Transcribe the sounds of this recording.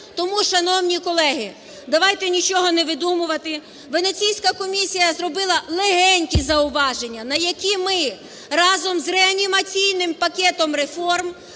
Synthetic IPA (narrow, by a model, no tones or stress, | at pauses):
t̪ɔmuʃɐnɔwnʲikɔlˠɛɦɪ | d̪ɐʋɑjt̪ɛnʲit͡ʃɔɦɔnɛʋɪd̪umʊʋɐt̪ɪ | ʋenesʲijsʲkɐkɔmʲisʲijɐzrɔbɪlˠɐlˠeɦɛnʲtʲizɐʊʋɑʒenʲːɐnɐjɐkʲimɪ | ɾɑzɔmzreɐnʲimɐt͡sʲijnɪmpɐkʲɛt̪ɔmrefɔrm